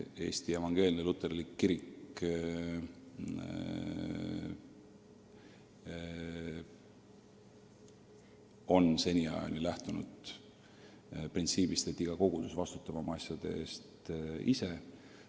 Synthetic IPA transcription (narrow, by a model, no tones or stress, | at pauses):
e̞̰ːst̪ie̞vɑŋɡ̥e̞ːlʲinelut̪ːˑe̞rlikːiɾik | o̞nse̞nʲiɑ̰jɑ̰nilæht̪unṵd̪̥ | print̪siːbist̪e̞t̪ːiɡ̥ɑko̞ɡ̥ud̪̥usvɑst̪u̥t̪ːˑɑvɑmɑɑsʲjɑd̪̥e̞̰e̞ːst̪ise̞